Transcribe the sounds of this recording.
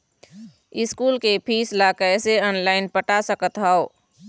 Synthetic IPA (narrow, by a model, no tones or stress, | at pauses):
iskulkepʰislakəjseənlaɪnpəʈasəkət̪ɦəo